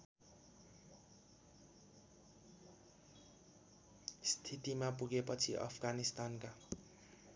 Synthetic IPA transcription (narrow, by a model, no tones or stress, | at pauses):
st̪ʰit̪imapuɡepʌt͡sʰiʔʌ̰pʰɡanist̪anka